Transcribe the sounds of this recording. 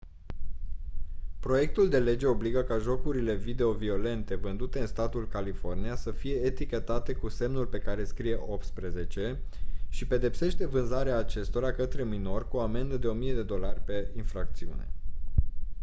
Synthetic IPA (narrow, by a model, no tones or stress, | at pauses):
pɾo̞je̞k̚t̪uld̪e̞le̞d͡ʒe̞o̞bliɡəkaʒo̞kuɾile̞vid̪e̞o̞vio̞le̞nt̪e̞vɨnd̪ut̪e̞ɨnst̪at̪ulkalifo̞rnijasəfije̞ːt̪ikʲe̞t̪at̪e̞kuse̞mnulʲpe̞kaɾe̞skɾije̞ʔo̞p̚t̪spɾe̞ze̞t͡ʃe̞ʃipe̞d̪e̞pse̞ʃt̪e̞vɨnzaɾeaːt͡ʃe̞st̪o̞ɾakət̪ɾe̞mino̞rʲkuo̞ame̞nd̪əd̪e̞o̞mije̞d̪e̞d̪o̞larʲpe̞infɾak̚t̪siṵne̞̰